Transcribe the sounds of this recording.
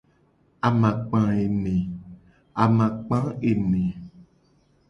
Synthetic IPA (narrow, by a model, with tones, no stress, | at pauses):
a˨mã˨k͡pã˨e˨nẽ˨ | a˨mã˨k͡pã˦e˨nẽ˨